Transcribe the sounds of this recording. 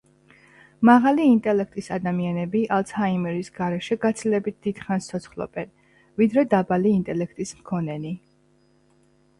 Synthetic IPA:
maʁaliːnt̪ʼɛlɛk̚ʰt̪ʼisad̪amianɛbiʔalˠt̪shaimɛɾisɡaɾɛʃɛɡat̪sʰilɛbit̪̚d̪̥id̪̥χanst̪sʰɔt̪sʰχlˠɔ̰b̥ɛn | vid̪ɾɛd̪abaliːnt̪ʼɛlɛkʰt̪ʼismkʰɔnɛni

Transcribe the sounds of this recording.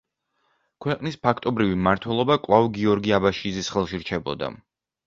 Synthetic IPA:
kʰwɛqʼnispʰakʰt̪ʼɔbɾivimaɾt̪ʰwɛlˠɔbakʼwlˠavɡiɔɾɡiabaʃizisχɛlˠʃiɾt͡ʃʰɛbɔ̰d̪a̰

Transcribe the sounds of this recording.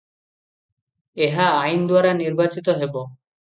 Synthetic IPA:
eɦaajnd̪waɾaniɾbat͡ɕit̪oɦebo

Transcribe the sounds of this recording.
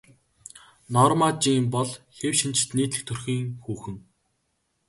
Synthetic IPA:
nɔrmat͡ɕiːmpɔɮxewʃint͡ɕɪ̥̆t̪niːt̪ɮɘ̆xt̪ʰɵrxiːŋxuːxɘ̆ŋ

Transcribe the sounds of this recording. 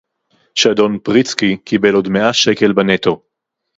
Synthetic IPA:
ʃado̞npʁit͡skikibe̞lo̞d̪meʔaʃe̞ke̞lbanet̪o̞

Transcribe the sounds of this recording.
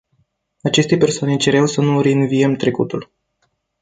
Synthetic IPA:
at͡ʃe̞st̪e̞pe̞rsoane̞t͡ʃe̞ɾawsənuɾeɨnvijemt̪ɾe̞kut̪ul

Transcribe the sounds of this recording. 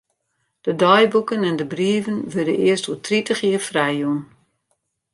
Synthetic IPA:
d̥ədɔjbukənɛndəbriəvənʋødə̰ʔɪəstuːtʰritəχiəfrɛjun

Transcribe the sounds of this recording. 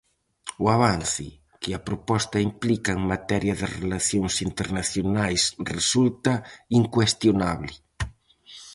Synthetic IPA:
uaβ̞anθɪ̰ | kɪɐpɾopɔst̪ɐimplikɐeŋmat̪ɛɾjɐðɪrelaθjoŋsint̪eɾnaθjonajsresult̪ɐiŋkwest̪jonaβlɪ

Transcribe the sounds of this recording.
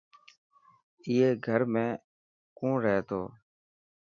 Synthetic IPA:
ɪeːɡʱəɾmẽː | kõːɾɛːt̪o̰ː

